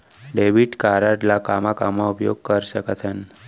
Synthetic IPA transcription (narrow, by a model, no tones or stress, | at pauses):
ɖebiʈkaɾəɖlakamakamãupjoɡ̚kəɾʃəkət̪ʰən